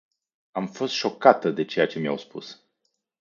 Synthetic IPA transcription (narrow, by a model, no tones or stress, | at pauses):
amfo̞st̪ʃo̞kat̪əd̪e̞t͡ʃe̞jat͡ʃe̞mia̰wspṵs